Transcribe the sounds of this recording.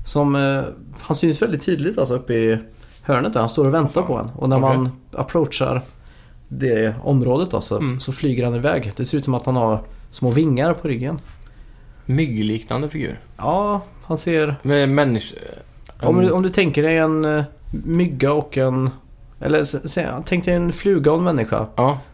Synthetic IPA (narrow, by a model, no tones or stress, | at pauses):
sɔm | hansyːnsvɛld̪ɪt̪ʰːiːd̪lɪt̪alsɔɵpːəɪ | hœːɳət̪d̪æɾhanst̪oːɾɔvɛnt̪aɾpʰɔd̪ɛ̰nːɔ̰næɾmanna̰pʰɾotʂa̰ɾ | d̪ɛɔ̰mɾoːd̪ət̪a̰lsɔ̰sɔflyːɡəɾhanɪvɛ̰ːɡd̪̥ɛsɛɾʉ̟ːt̪sɔmat̪hanhaɾsmoːvɪŋːaɾpʰɔɾʏɡːən | mʏɡəliːkna̰nd̪əfɪɡʉ̰ːɾ | ɑː | hanseːɾmɛmɛnːɪ | ɔmd̪ɔmd̪ɵt̪ʰɛŋkəɖɛjɛn | mʏɡːaɔkːɛn | ʔɛ̰lːəsɛt̪ʰɛŋkd̪ɛjɛnflʉːɡaɔnmɛnːɪɧa̰ː